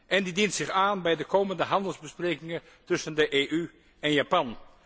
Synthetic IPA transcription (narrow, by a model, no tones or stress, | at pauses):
ʔɛndidintsɪχaːnbɛjdəkowməndəɦɑndəlˠzbəspreːkɪŋə | tɵsəndəʔeːʔy | ɛnjaːpɑn